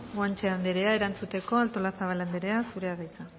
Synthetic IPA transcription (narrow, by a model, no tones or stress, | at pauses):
ɡwant͡ʃeand̪eɾeae̞ɾant͡sut̪e̞ko̞alt̪o̞lasaβ̞aland̪eɾe̞asuɾe̞aðajka